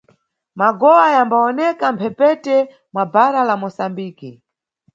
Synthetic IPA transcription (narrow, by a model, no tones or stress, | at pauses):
maɡɔwajambaɔnɛkam̩pʰɛpɛtɛ | mwabaɾalamɔsambiːki